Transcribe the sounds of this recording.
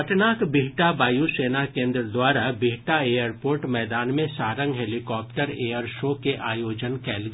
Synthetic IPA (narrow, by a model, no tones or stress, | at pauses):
ɐʈnaːkbiɦʈabaːjuseːnakẽːnd̪ɾəd̪waːɾabʱiɦʈaeːjəɾpoːɾʈmɛːd̪aːnmẽsaːɾə̃ŋɡɦelɪkɔːp̚ʈəɾeːjəɾʃoːkeʔaːjoːd͡ʒənkɛːlɡ